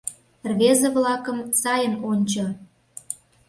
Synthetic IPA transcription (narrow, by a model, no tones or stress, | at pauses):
rβezeβlɑkə̆msɑjəmonʲt͡ɕo